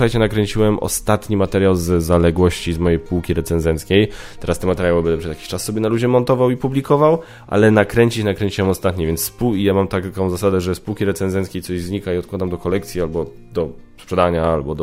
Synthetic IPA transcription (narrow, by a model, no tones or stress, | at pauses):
xajt͡ɕɛnakɾɛɲt͡ɕiwɛmɔ̰st̪at̪ɲimat̪ɛɾjawzzalɛɡwɔɕt͡ɕizmɔjejpuwkʲiɾɛt̪sɛnzɛnt̪skʲejt̪ɛɾast̪ɛmat̪ɛɾjawɛbɛnd̪ɛpʂɛzjakʲi̥ɕt͡ʂasːɔbʲjɛnalud͡ʑɛmɔnt̪ɔvawipublʲikɔvaw | ʔa̰lɛnakɾɛɲʲt͡ɕit͡ɕnakɾɛɲʲt͡ɕiwɛmɔst̪at̪ɲivʲjɛnt̪sspuijamamt̪akkɔ̃w̃zasad̪ɛʐɛspuwkʲiɾɛt̪sɛnzɛnt̪kʲejtsɔʑzɲikaiɔt̪̚kwad̪amd̪ɔkɔlɛkt̪sʲjialbɔ | d̪ɔ | spʂɛd̪aɲaalbɔd̪